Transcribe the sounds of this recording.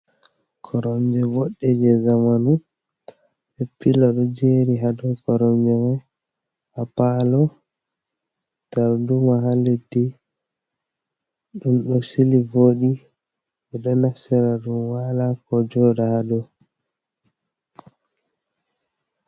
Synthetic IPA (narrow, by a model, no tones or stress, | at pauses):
kʰɔɾɔmd͡ʒɛvɔɗːɛd͡ʒɛzamanu | ɓɛpːilɔɗɔd͡ʒeɾiɦadɔkɔɾɔmd͡ʒɛma | hapalɔ | taɾdumaɦaledi | ɗunɗɔsilivoːɗi | ɛɗɔnafsɛɾaɗunwalakɔd͡ʒɔːdahadɔ